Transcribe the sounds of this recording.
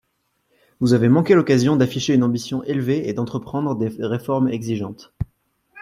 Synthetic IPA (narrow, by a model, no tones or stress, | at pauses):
vuzavemɑ̃kʲelɔkazjɔ̃d̪afiʃeynɑ̃bisjɔ̃ʔelveed̪ɑ̃t̪χəpχɑ̃d̪ʁəd̪eʁefɔʁmɛɡziʒɑ̃t̪